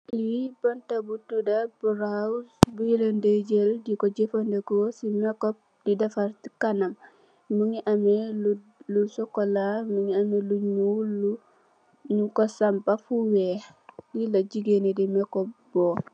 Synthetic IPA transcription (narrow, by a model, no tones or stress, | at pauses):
wibantabutudabuɾasbujilended͡ʒeldikoɟefondekosimɛkɔp̚ | didafaɾti̥kanam | muŋiʔamelu | lusɔkolamuŋiameluɲulu | ɲukosampafuwe | lilɐɟiɡenedimɛkop̚bo